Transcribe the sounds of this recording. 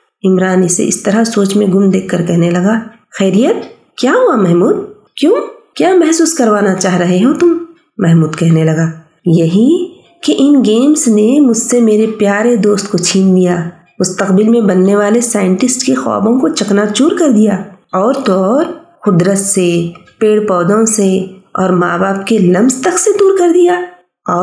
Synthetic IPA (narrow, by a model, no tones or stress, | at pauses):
ɪmɾaːnisḛʔɪ̰st̪ɐɾasoːt͡ʃmẽɡʊmd̪eːkʰːɐɾkɛɦnelɐɡaː | xɛːɾijət̪̚ | kjaːɦuamɛɦmuːd̪̚ | kjõːkjaːmɛɦsuːskɐɾʋaːnat͡ʃaːɦɾɐɦeɦõt̪ʊm | mɛɦmuːd̪kɛɦnelɐɡaː | jɐɦi | keʔɪnɡeːmsnemʊd͡ʒʱsemeːɾepjaːɾed̪oːst̪kot͡ʃʰiːnlijaː | mʊst̪əqbɪlmẽbɐnːeʋaːlesaːɪ̃ɳʈɪsʈkexɔ̰ːbõkot͡ʃɐknat͡ʃuːɾkɐɾd̪ijaːɔːɾt̪oɾxʊd̪ɾət̪sepeːɽpɔːd̪õseɔ̰ːɾmaːbaːp̚kelɐ̃mzt̪ɐksed̪uːɾkɐɾd̪ijaː | ɔː